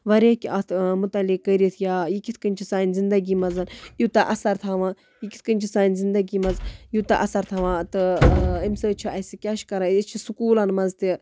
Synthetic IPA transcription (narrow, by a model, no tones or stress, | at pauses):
ʋɐɾeːkʲiʔɐt̪ʰmut̪ɐlikːəɾit̪ʰjaːjikit̪ʰkɐnʲt͡ʃʰisaːnzind̪ɐɡimɐzɐnjut̪ɐʔɐsɐɾt̪ʰaːʋãː | jiki̥t̪ʰkənʲt͡ʃʰisaːnʲzind̪ɐɡimɐnzjut̪aʔɐsɐɾt̪ʰaːʋãːt̪ɨɐmsəːt͡ʃʰuɐsikʲaʃkɐɾaːit͡ʃʰisukuːlɐnmɐnzt̪i